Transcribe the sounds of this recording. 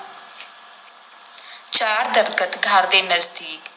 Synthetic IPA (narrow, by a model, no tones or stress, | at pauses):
t͡ʃaːɾd̪ɐɾkət̪ɡʱaːɾd̪eːnɐzd̪iːk